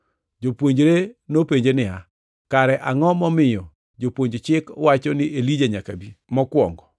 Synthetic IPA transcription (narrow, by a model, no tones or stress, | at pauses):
d͡ʒopwoɲd͡ʒɾenopeɲd͡ʒenɪa | kaɾɛʔaŋɔmɔmɪjɔ | d͡ʒopwoɲd͡ʒt͡ʃɪkwat͡ʃɔnɪʔelid͡ʒaɲakabimɔkwɔ̰ŋɡɔ